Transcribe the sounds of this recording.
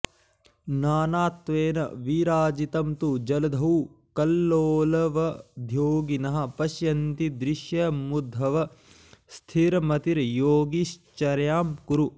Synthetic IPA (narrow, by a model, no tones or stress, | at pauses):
naːnaːt̪ʋeːnɐ̰ʋiɾaːd͡ʒit̪ɐmt̪ud͡ʒɐlɐd̪ʱɐwkɐlːoːlɐʋɐd̪ʱjoːɡinɐɦɐ̆pɐʃjɐnt̪id̪ɾiʃjɐmud̪ʱːɐʋɐ | st̪ʰiɾɐmɐt̪iɾjoːɡiʃt͡ʃɐɾjaːmkuɾu